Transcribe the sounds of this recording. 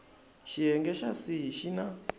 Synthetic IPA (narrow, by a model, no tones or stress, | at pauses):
ʃiɦɛŋɡɛʃasiɦiʃina